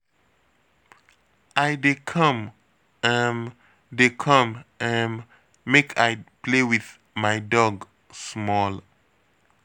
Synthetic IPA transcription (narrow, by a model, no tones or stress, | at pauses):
ʔajdekʰʌ̃m | ə̃n | dekʰʌ̃mʔə̃n | mekʰajplewiθ | maɪdɔɡ | smɔl